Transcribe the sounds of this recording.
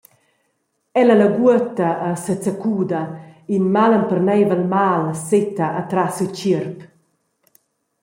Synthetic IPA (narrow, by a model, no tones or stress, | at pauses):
ɛlələɡuət̪əːsət͡səkuːd̪ɐinmalənpərnɛjvəlmaːlset̪aʔːt̪ɾasut͡ʃirp